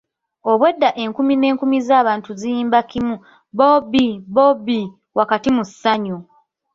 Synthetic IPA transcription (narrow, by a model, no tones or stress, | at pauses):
o̞βwe̞dːaʔeŋkumine̞ːŋkumizaːβaːntuzijiːmbakimu | bobibobi | wakatimusːaɲu